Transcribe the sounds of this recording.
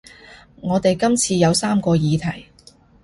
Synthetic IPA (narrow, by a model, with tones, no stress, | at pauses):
ŋɔː˨˧t̪e˨jkɐ˥mt͡sʰiː˧jɐ˨˧wsaː˥mkɔː˧jiː˨˧t̪ʰɐ˨˩j